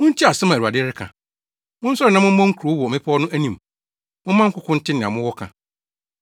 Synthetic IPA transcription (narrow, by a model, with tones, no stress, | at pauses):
mʊ̃˦n̩˦t͡ɕʰi˦a˨sɛ˦mã˨u˨a˨dɪ˦ɾɪ˦kʰã̰˨ | mʊ̃˦n̩˦sɔ˦ɾɪ˨nã˦mʊ̃˦mã˦ŋ̩˦kʰɾo˨˦wɔ˨mɪ̃˦pʰɔ˦ɔ˦nʊ̃˦æ˦nĩ˨m | mʊ̃˦m˦mã˦ŋ̩˦kʰʊ˦kʰʊ̃˦n̩˦tʰɪ˦nɪ̃˨ã̰˨mʊ̃˦wɔ˦kʰã̰˨